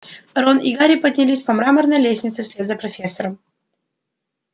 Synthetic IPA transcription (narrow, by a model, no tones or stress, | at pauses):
ɾoniɡaɾʲipədʲnʲɪlʲisʲpɐmɾamərnəjlʲesʲnʲɪt̪sɨfsʲlʲed̪zɐpɾɐfʲesːəɾəm